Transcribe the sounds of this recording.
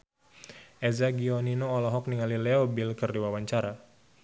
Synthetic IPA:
ʔɛzaɡiɔninoːlɔɦɔk̚niŋalilɛɔbɪlkərdiwawaɲt͡ʃaɾa

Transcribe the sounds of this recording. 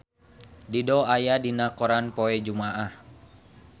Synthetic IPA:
didɔajadinakɔɾanpɔɛd͡ʒumaʔah

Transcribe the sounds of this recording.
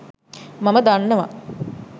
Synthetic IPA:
maməd̪anːəʋa̰

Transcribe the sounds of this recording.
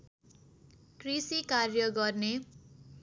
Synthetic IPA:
krisikarjʌɡʌrne

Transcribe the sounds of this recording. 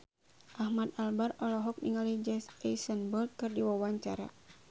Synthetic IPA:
ʔahmat̪albarɔlɔɦɔk̚niŋalid͡ʒɛsɛjsənbɔlt̪̚kɨrdiwawaɲt͡ʃaɾa̰

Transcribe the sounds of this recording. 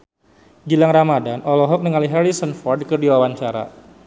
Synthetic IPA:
ɡilaŋramadanɔlɔɦɔk̚nəŋaliɦaɾisənfɔrdkərdiwawaɲt͡ʃaɾa̰

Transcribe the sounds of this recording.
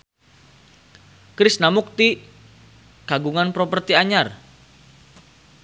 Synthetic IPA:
kɾɪsnamuk̚t̪i | ɡ̥aɡuŋanpɾopərt̪iaɲar

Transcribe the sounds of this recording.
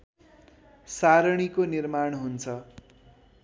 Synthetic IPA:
saɾʌɽ̃ikonirmaɳ̃ɦunt͡sʰʌ

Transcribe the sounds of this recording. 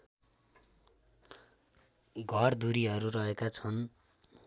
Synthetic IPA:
ɡʱʌrd̪uɾiɦʌɾurʌɦekat͡sʰʌn

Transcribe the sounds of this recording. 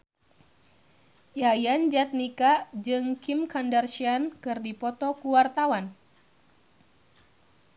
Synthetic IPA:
jajand͡ʒat̪̚nikad͡ʒɨŋkimkandarʃiankɨrdipɔt̪ɔkuwart̪awan

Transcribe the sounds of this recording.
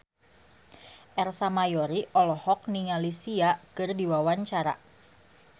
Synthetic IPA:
ʔɛrsamajɔɾiʔɔlɔhɔk̚niŋalisiakɨrdiwawaɲt͡ʃaɾa̰

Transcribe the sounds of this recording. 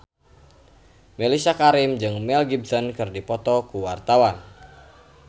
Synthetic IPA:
melisakaɾɪmd͡ʒɨŋmɛlɡib̚sɔnkɨrdipɔt̪ɔkuwart̪awan

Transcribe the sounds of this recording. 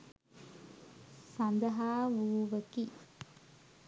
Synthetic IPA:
sɐnd̪ɐɦaːʋuːʋəki

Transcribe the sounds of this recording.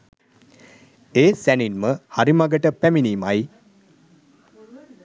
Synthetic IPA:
eːsæninməhaɾimaɡəʈəpæminiːmaj

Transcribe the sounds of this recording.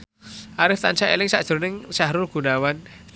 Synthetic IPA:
ʔaɾɪft̪ant͡ʃaelɪŋsa̰ʔʒ̥ʊ̤ɾnɪŋʃaɦɾʊɡ̥ṳnawan

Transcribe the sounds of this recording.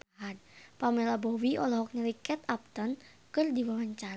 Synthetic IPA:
ɦanpamelabɔwiʔɔlɔɦɔk̚ɲəlikɛt̪ap̚t̪ən | kɨrdiwawaɲt͡ʃaɾ

